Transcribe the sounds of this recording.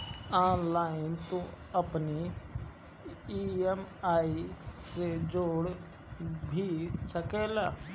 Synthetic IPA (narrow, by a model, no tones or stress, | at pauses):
aːnlaːɪnt̪õː | əpniː | iːɛmaːiːsed͡ʒoːɽ | bʱiːsəkɛːlaː